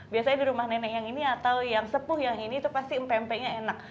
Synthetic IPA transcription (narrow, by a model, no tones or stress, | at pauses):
biasaɲadiɾumahnenɛkjaŋiniat̪awjaŋsəpʊhjaŋiniːt̪upast̪iəmpempɛʔɲaenak̚